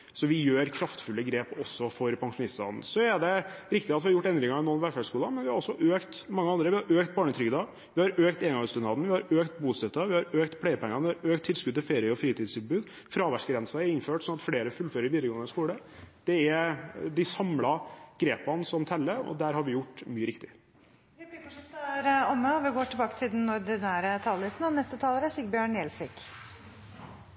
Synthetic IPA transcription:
sɔʋɪjøːɾkʰɾɑft̪fʉlːəɡɾeːpɔsːɔfɔɾpʰɑŋʂʊnɪst̪ɑ̰nn̩sɔɛɖɛɾɪk̚t̪ɪɑt̪ʋɪhɑɾjʊʈːɛnd̪ɾɪŋɑɪnɔnʋæːfæʂkuːlɑmɛnʋɪhɑɾɔsːɔʔøːkt̪mɑŋːəɑnd̪ɾəʋɪhɑɾøːkt̪̚bɑːɳət̪ʰɾʏɡd̪ɑ | ʋɪhɑɾøːkt̪eːɡɑŋst̪ʉnɑd̪n̩ʋɪhɑɾøːkt̪buːst̪ɛt̪ːəʋɪhɑɾøːkt̪pʰɽæɪəpʰɛŋːɑnʋɪhɑɾøːk̚t̪ʰːɪlskʉd̪t̪ʰɪlfeːɾɪəɔfɾiːt̪iːd̪sɪnbʉːd̪ | fɾɑːʋæʂɡɾɛnsæɛɪnføːʈsɔnɑt̪fɽeːɾəfʉlføœːɾəɾɪʋiːd̪ɾəɡoːənəskuːɽəd̪̥ɛɛd̪ɪsɑmlɑɡ̥ɾeːpɑnsɔmt̪ʰɛlːəɔ̰d̪æːɾhɑɾʋɪjʊʈːmyːəɾɪkt̪ɪ | ɾɔmːəɔʋɪɡoːʈʰɪlbɑːkə̥t̪ʰɪld̪ɛnɔɾd̪ɪnæːɾət̪ʰɑːllɪsn̩ɑnɛst̪ət̪ʰɑːləɾəsɪɡbjøːɳɛlsɪk

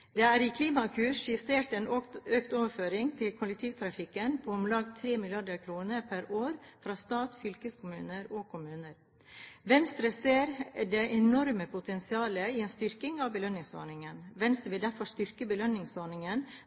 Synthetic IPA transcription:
d̪̥ɛæɾɪkʰliːmɑkʰʉːʂɪseːʈɛːnøkt̪oːʋəɾføːɾɪŋt̪ʰɪlkʰʊlːɛkt̪ʰiːʋt̪ʰɾɑfɪkənpʰoːʊmlɑɡt̪ʰɾeːmɪlɪɑɖəɾkʰɾuːnəɾpʰæɾoːɾfɾɑːst̪ɑːt̪fʏlkəskʰʊmʉːnəɾɔkʰʊmʉːnəɾ | ʋɛnst̪ɾəseːɾd̪ɛʔɛnɔɾməpʰʊt̪ʰɛnsɪɑːləɪɛːnst̪ʏɾkɪŋɑʋbəlœnːɪŋso̰ːɳɪŋənʋɛnst̪ɾəʋɪld̪æɾfɔʂt̪ʏɾkəbəlœnːɪŋsoːɳɪŋən

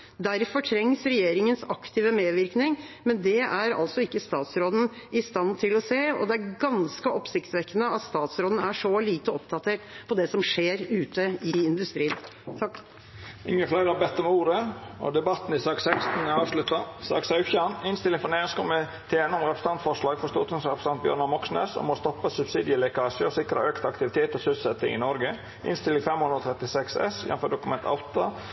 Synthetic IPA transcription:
d̪æɾfɔʈʰɾɛŋsɾɛjeːɾɪŋənsɑkt̪ʰiːʋəmeːʋɪɾknɪŋmɛnd̪ɛæɾɑ̰lsɔɪkːəst̪ɑːt̪sɾoːd̪n̩ | ɪst̪ɑnt̪ʰɪlɔseːɔ̰d̪ɛæɾɡɑnskəʔɔpsɪkt̪sʋɛkːənəɑt̪st̪ɑːt̪sɾoːd̪n̩æʂɔliːt̪əɔpd̪ɑt̪ʰeːʈpʰɔd̪ɛsɔmʂeːɾʉːt̪əɪɪnd̪ʉst̪ɾiːən | ɪ̰ŋːəkʰlɑːɾəbɛt̪ːɔmuːɾəɔ̰d̪ɛbɑt̪n̩ɪsɑːksɛkst̪n̩ɑːʋʂlʉt̪ːɑsɑ̰ːksɑʉçænɪnst̪ɪlːɪŋfɔneːskɔmɛt̪ʰeːnɔmɾɛpɾəsn̩ʰɑnt̪fɔʂlɑːɡ̥fɔɾst̪uːɾt̪ʊŋsɾɛpɾəsɑnt̪̚bjœ̰ɾɳɑmɔksnḛsɔ̰mɔst̪ɔpːəsʉbsiːd̪ɪəlɛkɑːsəɔsɪkɾə̰ʔøːkt̪ɑkt̪ɪʋɪt̪ʰeːt̪ɔsʉlsɛt̪ːɪ̰ŋɪ̰nɔɾɡə | ʔɪ̰nst̪ɪlːɪŋfɛmhʊnd̪ɾɔt̪ʰɾɛt̪ɪsɛksɛsjɛ̰nfɔɖ̪ʊkʉmɛnt̪ʰɑ̰ʊt̪ɑ

